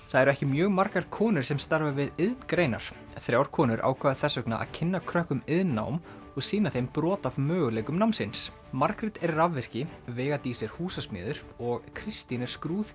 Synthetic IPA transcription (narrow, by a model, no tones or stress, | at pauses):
θaðɛɾɛhcɪmjœːɣmar̥kaɾkʰɔːnʏɾ̥sɛmst̪aɾvavɪðɪðnkɾeːjna̰ɾ̥ | θɾjaːwɾ̥kʰɔːnʏɾʔa̰ːwkʰvaːaθɛsːœkna̰ʔa̰ðcʰɪnːakʰɾœhkʏmɪðnːa̰ːwm | ɔɣsɪːnaθejmpɾɔːt̪avmœːɣʏlɛːkʏmnawmnsɪns | maɾkɾɪt̪ɛɾːavːɛr̥cɪvɛːɣat̪isɛɾ̥huːsasmjʏ̰ːðʏɾ̥ɔɣkʰɾɪst̪inɛɾ̥skɾuːð